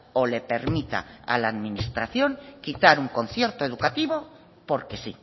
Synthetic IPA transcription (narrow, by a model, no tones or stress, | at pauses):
ole̞pe̞ɾmit̪a̰a̰laːðminist̪ɾaθjoŋkit̪aɾuŋko̞nθjeɾt̪oe̞ðukat̪iβ̞o | po̞ɾkesi